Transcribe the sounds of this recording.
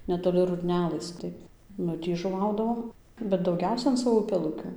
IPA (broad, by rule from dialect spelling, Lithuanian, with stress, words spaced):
nʲɛtoːˈlʲɪ rʊdʲˈnʲæːlˠɘs ˈtɐɪ ˈnʊ ˈtʲiː ʒʊˈʋɐʊdɐʋoːm ˈbʲɛt dɐʊˈɡʲɛʊsʲɛ ɐn ˈsɑːʋoː ʊpʲɛˈlˠʊkʲuː